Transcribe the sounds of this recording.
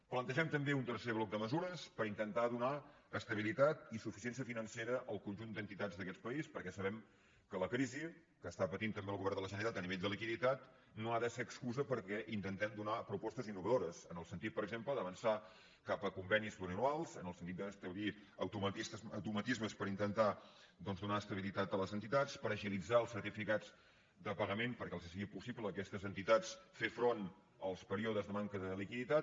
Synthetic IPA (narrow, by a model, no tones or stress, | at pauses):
plənt̪əʒɛmt̪əmbeunt̪ərseβlɔk̚d̪əməzuɾəspəɾint̪ənt̪aðuna | əst̪əβilit̪at̪isufis̬iɛnsiəfinənseɾəʔəlˠkunʲʒund̪ənt̪it̪ad͡zðəkɛt̪pəispəɾkɛsəβɛm | kələkɾizi | kəːst̪apət̪int̪əmbeəlˠɣuβɛrnd̪ələʒənəɾit̪at̪əniβeʎʲd̪əlikiðit̪at̪ | noaðəseəkskuzəpəɾkɛʔint̪ənt̪ɛmd̪unapɾupɔst̪əzinːuβəðoɾəzənəlˠsənt̪it̪̚pəɾəɡzempləðəβənsa | kapəkumbɛnizβunənualˠzənəlˠsənt̪it̪d̪əːst̪əβiəwt̪umət̪isəwt̪umət̪izməspəɾint̪ənt̪ad̪ɔnzðunaəst̪əβilit̪at̪ələzənt̪it̪at͡spəɾəʒilid͡zaəlˠsːəɾt̪ifikad͡z | d̪əpəɣəmenpəɾkɛlˠzəsəɣipusipləːkɛst̪əzənt̪it̪at͡sfefɾon | əlˠspəɾioðəzðəmaŋkəðəlikiðit̪at̪̚